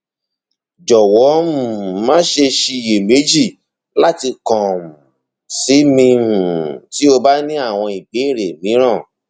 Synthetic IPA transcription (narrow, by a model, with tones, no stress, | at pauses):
d͡ʒɔ˨wɔ˨˦ũ˨mãː˦ʃe˧ʃi˧˨je˨me˨˦d͡ʒi˦˨ | la˦ti˧kɔ̃˨m˨ | si˨˦mĩ˧ũ˨ti˨˦o˧ba˦nĩ˦a˦˨w̃ɔ̃˧i˨be˨˦i˦˨ɾe˨mĩ˨˦ɾ̃ã˦˨